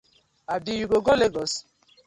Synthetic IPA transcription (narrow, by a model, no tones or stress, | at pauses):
abijuɡoɡɔleɡɔs